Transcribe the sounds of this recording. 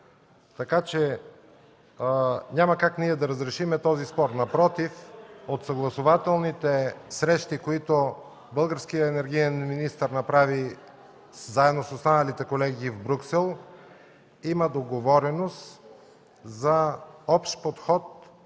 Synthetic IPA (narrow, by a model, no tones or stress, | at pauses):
t̪ɐkat͡ʃɛ | ɲʲamɐkakniɛd̪ɐɾəzɾɛʃimɛt̪ɔzispɔɾnɐpɾɔt̪ifot̪sɐɡlˠɐsovat̪ɛlˠnit̪ɛsɾɛʃt̪ikoit̪o | bɤlˠɡəɾskijəɛnɛɾɡ̟iɛnminist̪əɾnɐpɾavi | zaɛd̪nosost̪anəlit̪ɛkolɛɡiːvbɾʲuksɛlˠ | iməd̪oɡovɔɾɛnost̪ | zɐɔpʃt̪pot̪xɔt̪̚